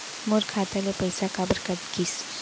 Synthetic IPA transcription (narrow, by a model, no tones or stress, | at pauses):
moɾkʰaːt̪alepɐjsakabəɾkɐt̪kis